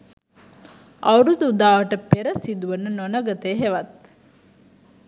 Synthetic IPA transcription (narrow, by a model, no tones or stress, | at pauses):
ʔɐwɾut̪uud̪aːʋəʈəpeɾɐsid̪uʋənənonɐɡɐt̪eːɦeʋɐt̪̚